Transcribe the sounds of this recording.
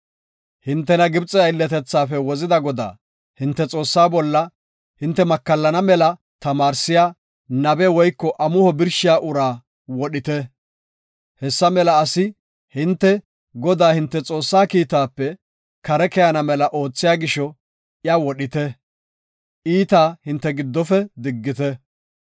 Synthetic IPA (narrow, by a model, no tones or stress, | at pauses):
hɪnt̪ːɛnɐɡɪbt͡sʼɛɐjɪlːɛt̪ɛt͡sːaːfɛwɔzɪd̪ɐɡɔd̪a̰ː | hɪnt̪ːɛt͡sʼo̞ːsːaːbɔlːɐ | hɪnt̪ːɛmɐkːɐlːɐnɐmɛlɐ | t̪ɐmaːɾsɪjaː | nɐbɛwɔjkːɔʔɐmʊhɔbɪɾʃɪjaːʔʊɾaː | wɔɗɪt̪ɛ | hɛsːɐmɛlɐːsɪ | hɪnt̪ːɛ | ɡɔd̪aːhɪnt̪ːɛt͡sʼo̞ːsːaːkiːt̪aːpːɛ | kɐɾɛkɛjɐnɐmɛlɐʔo̞ːt͡sːɪjaːɡɪʃɔ | jawɔɗɪt̪ɛ | ʔiːt̪aːhɪnt̪ːɛɡɪd̪ːɔfɛd̪ɪɡːɪt̪ɛ